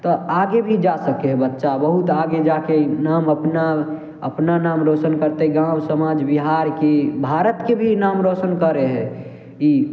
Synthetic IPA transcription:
t̪ɔaɡebʱid͡ʒasəkeɦɛbətːʃabəɦut̪aɡed͡ʒakenaːməpna | ə̰pnanamɾot͡ʃənkəɾt̪eɡãwsəmad͡ʒbiɦaɾkebʱaɾət̪kebʱinamɾot͡ʃənkəɾeɦɛ | i

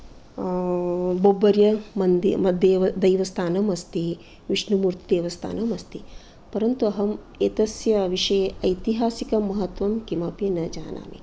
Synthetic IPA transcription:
bobːɐɾjɐmɐnd̪iɐd̪eːʋɐd̪ɐjʋɐst̪ʰaːnɐmɐst̪i | ʋiʂnumuːɾt̪id̪eːʋɐst̪ʰa̰ːnɐmɐst̪i | pɐɾɐnt̪uɐɦɐm | et̪ɐsjɐʋiʂɐjeɐjt̪iɦaːsikɐmɐɦɐt̪ʋɐmkimɐpjɐnɐd͡ʒaːnʔa̰ːmḭ

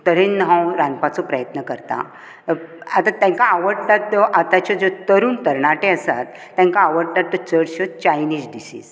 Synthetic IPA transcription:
t̪əɾẽnːəɦãwɾanpat͡sɔpɾəjət̪nəkəɾt̪a̰ | at̪at̪jãŋkaːʋəɽt̪at̪ːɔʔat̪at͡ɕɔd͡zot̪əɾuːnt̪əɾɳaʈeəsat̪ːjãŋkaːʋəɽt̪at̪ːɔt͡səɽɕɔt͡ɕajniːsɖisḭːz

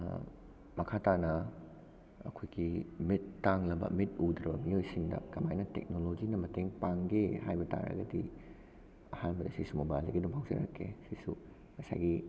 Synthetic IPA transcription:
mɐkʰatanɐ | ɐ̰kʰojɡimitːaŋlɐbɐ̰mitud̪ɾɐbɐmiojsiŋdɐ̰kɐmajnɐtḛk̚nolod͡ʒinɐmɐteŋpaŋɡehajbɐta̰ɾɐ̰ɡɐdi | ɐhanbɐdɐsisumobaliɡɐdumpʰawzɐ̰ɾɐ̰kʰːḛsisu | mɐsa̰jɡi

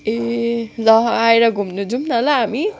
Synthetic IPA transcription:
elʌɦajɾʌɡʱumnud͡zumnalaɦami

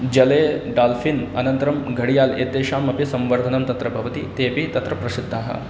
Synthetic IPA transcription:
d͡ʒɐleːɖaːlfinɐ̰nɐnt̪ɐɾɐmɡʱɐɽijaːlḛːd̪eːʃaːmɐpisɐmʋɐɾd̪ʱɐnɐmt̪ɐt̪ɾɐbʱɐʋɐt̪it̪eːpit̪ɐt̪ɾɐpɾɐsid̪ʱːaːɦɐ̰

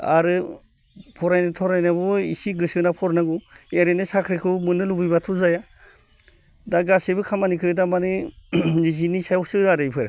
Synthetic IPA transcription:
a̰ɾɯ | pʰɔɾajnatʰɔɾajnabɔḭsiɡɯsɯnapʰɔɾnaɡueɾenɯsakʰɾikʰɯmɯnɯlubibatʰuzaja | daɡasebɯkʰamanikʰɯdamanɯlizinisajɔk̚sɯaɾɯjpʰɯɾa

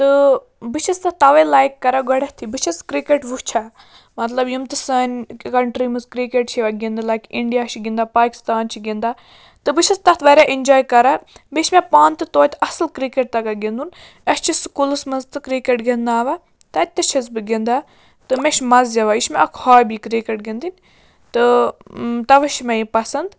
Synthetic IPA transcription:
t̪ɨ | bɨt͡ʃʰɐst̪ɐt̪t̪ɐʋɐlaːjkːɐɾaɡɐɽɐht̪ʰibɨt͡ʃʰɐskɾikeʈʋut͡ʃʰa | mɐt̪lɐbjimt̪ɨsɐnʲkɐɳʈɾimɨzkɾikeʈt͡ʃʰiʋɐɡʲind̪ɨlajkiɳɖijaʃʰiɡʲind̪aːpaːki̥st̪aːnt͡ʃʰiɡind̪aː | t̪ɨbɨt͡ʃʰɐst̪ɐt̪ʰʋɐɾʲaʔind͡ʒoːjkɐɾabiʃmʲepaːnt̪ɨt̪oːt̪ɐsɨlkɾikeʈ̚t̪ɐkaɡind̪un | ɐst͡ʃʰiskulɨsmɐzt̪ɨkɾikeʈɡind̪aːʋa | t̪ɐt̪ʲːɐt͡ʃʰɐzbɨɡind̪a | t̪ɨmeʃmɐzzɐʋaiʃmeʔɐkʰhaːjbikɾikeʈ̚ɡʲind̪inʲ | t̪ɨ | t̪ɐʋɨʃmʲɐjipɐsɐnd̪

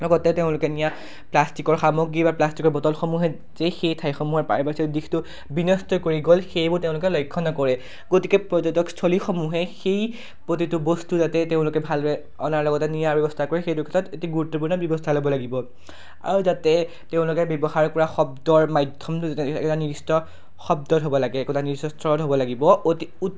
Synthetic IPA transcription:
lɔɡɔtɛteʊ̃lʊkɛnija | plastikɔɹxamɔɡɹibaplastikɔɹbɔtɔlxomuɦɛ | zexejtʰajxɔmuɦɔɹpa̰ɹbasidixtʊ | binɔstʰɔkoɹiɡolxejbʊɹteʊ̃lʊkɛlɔjkʰːɔnɔkɔɹɛ | ɡotikɛpɹɔzɔtɔkstʰolixomuɦɛxej | pɹotitʊbostuzatɛteʊ̃lʊkɛbʱalɛ | ɔnaɹlɔɡɔtɛnijabɔbɔstʰakɔɹɛxejdʊkʰḁtʰɔtetiɡuɹutːɔpuɹnɔbjɔbɔstʰalobɔlaɡibɔ | a̰ɹuzatɛ | teʊ̃lʊkɛbebɔxaɹkɔɹaxɔb̚dɔɹmajdʱjɔmtʊzatɛɛ̰kɔtaniɹistɔ | xɔb̚dɔtɦobɔlaɡɛːkɔtaniisɔstʰɔɹɔtɦobɔlaɡibɔotiu

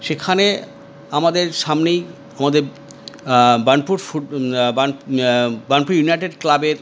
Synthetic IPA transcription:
ʃekʰane | amad̪eɾʃamnej | amad̪eɾ | banpuɾfuban | banpuɾjunajʈeɖklabeɾ

